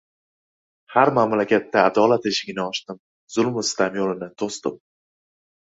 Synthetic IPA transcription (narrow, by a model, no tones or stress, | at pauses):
haɾmamlakʲʰat̪ʰːaːd̪ɒlat̪eʃɪɡʲɪnɪɒʃt̪ɪm | zʊlˠmʊst̪ʰamjolɪnɪt̪ʰost̪ɪ̰m